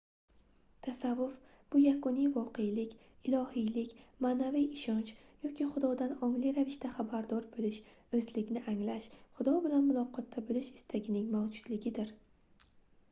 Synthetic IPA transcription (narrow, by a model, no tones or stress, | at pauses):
t̪ʰasavːʊf | b̥ʊjakʊnijvɒqe̞jlɪkʲ | ɪlˠɒhijlɪkʲmaːnavijɪʃɒnt͡ʃ | jɒkʲiχʊd̪ɒd̪anɒŋlijɾavɪʃt̪aχabaɾd̪ɒɾbolɪʃ | ɵzlɪɡʲnɪʔaŋlaʃχʊd̪ɒbɪlanmʊlˠɒqʰɒt̪ʰːabɪlɪʃɪ̥st̪ʰaɡʲɪnɪŋmawd͡ʒʊd̪̥lɪɡʲɪd̪ɪɾ